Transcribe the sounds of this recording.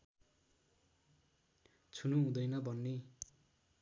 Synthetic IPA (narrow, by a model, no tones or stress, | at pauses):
t͡sʰunuɦũd̪ʌjnʌbʱʌnːe